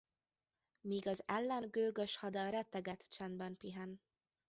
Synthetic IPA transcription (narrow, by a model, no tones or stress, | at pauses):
miːɡɒzɛlːɛnɡøːɡøʃhɒd̪ɒɾɛt̪ːɛɡɛt̪t͡ʃɛnd̪bɛnpiɦɛn